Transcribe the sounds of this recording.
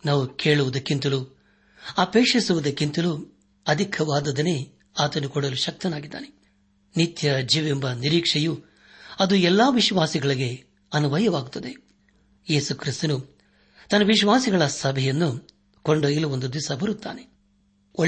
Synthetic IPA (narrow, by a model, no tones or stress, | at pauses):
naːʋuke̞ːɭuʋud̪ɐkːint̪ɐlu | ɐpeːkʂisuʋud̪ɐkːint̪ɐlu | ɐd̪ʱikʰɐʋaːd̪ɐd̪ɐne̞ː | aːt̪ɐnːukɔɽɐluʃɐk̚t̪ɐnaːɡid̪ːa̰ːne | nit̪jɐd͡ʒiːʋembɐniɾiːkʂɛju | ɐd̪uɛlːaːʋiʃʋaːsiɡɐɭiɡe̞ | ɐnuʋɐjɐʋaːɡut̪ːɐd̪e̞ | jeːsukɾist̪ɐnu | t̪ɐnːɐʋiʃʋaːsiɡɐɭɐsɐbʱɛjɐnːu | koɳɖɐiluʋond̪ud̪ʋisɐbɐɾut̪ːa̰ːne | o